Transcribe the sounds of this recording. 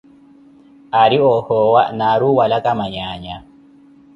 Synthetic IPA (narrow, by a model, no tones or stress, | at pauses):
aɾiɔhɔwa̰naɾuwalakʼamaɲaːɲa